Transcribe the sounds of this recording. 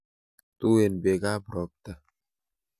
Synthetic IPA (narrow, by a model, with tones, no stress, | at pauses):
tu˦e˨nbe˨ɡa˦bɾɔ˨p̚t̪a˦